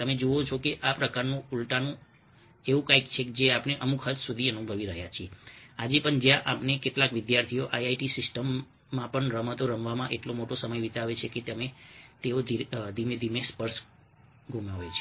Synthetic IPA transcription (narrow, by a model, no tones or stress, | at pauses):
t̪əmed͡ʒoot͡ʃʰokeʔapɾəkaɾnũulʈanũ | eʋũkajkt͡ʃʰeked͡ʒeapneʔəmukɦət̪sud̪ʱiənubʱəʋiɾəɦjat͡ʃʰiead͡ʒepəɳd͡ʒjãʔapnekeʈlakʋɪd̪jaɾt̪ʰijoʔajajʈisɪsʈəmː | ãpəɳɾəmət̪oɾəmʋamãʔeʈlomoʈosəməjʋit̪aʋet͡ʃʰeket̪əmet̪eod̪ʱid̪ʱimed̪ʱimespəɾs | ɡʱumaʋet͡ʃʰe